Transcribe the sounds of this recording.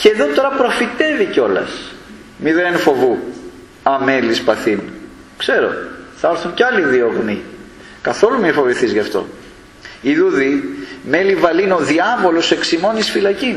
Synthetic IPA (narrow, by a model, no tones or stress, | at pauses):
ceðo̞t̪o̞ɾɐpɾo̞fit̪e̞viceo̞lɐ̰s | miðenenfo̞vu | ɐme̞lispɐθin | kse̞ɾo̞̰θɐɐɾθuncɐliðio̞ɣmi | kɐθo̞lumifo̞viθizʝɐft̪o̞̰ | iðuðime̞livɐlino̞ðiɐvo̞lo̞se̞ksimo̞nisfilɐcin